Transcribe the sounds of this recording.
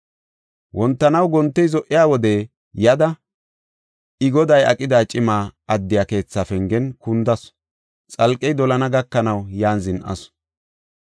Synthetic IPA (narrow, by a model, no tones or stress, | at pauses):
wʔɔnt̪ːɐnɐwɡɔnt̪ːɛjzɔʔːɪjaːwɔd̪ɛ | jɐd̪ɐ | ɪɡɔd̪ɐjɐkʼɪd̪aːt͡ʃʼɪmaːɐd̪ːɪjaːke̞ːt͡sːaːfɛŋɡɛnkʊnd̪ɐs | t͡sʼɐlkʼːɛjd̪ɔlɐnɐɡɐkːɐnɐwjaːnzɪnʔɐ̰s